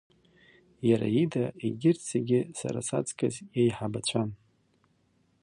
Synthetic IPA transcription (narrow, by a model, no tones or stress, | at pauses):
jaɾa̰idaiɡʲɪrt͡sʰeɡʲɪsa̰ɾasat͡sʼkʰʼazjejħabat͡ɕʷʰan